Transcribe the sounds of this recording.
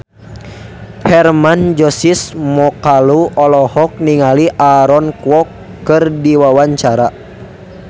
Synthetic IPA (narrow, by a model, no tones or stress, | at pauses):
hɛrmand͡ʒɔsismɔkaluɔlɔhɔk̚niŋaliʔaɾɔnkwɔkː | ɨrdiwawaɲt͡ʃaɾa